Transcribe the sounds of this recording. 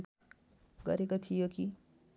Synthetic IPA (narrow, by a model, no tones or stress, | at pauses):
ɡʌ̰ɾekot̪ʰijoki